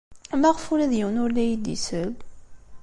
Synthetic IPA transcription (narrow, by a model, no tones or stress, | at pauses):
mæʁəfulæðjəwənʊɾlæjid̪ḭsəl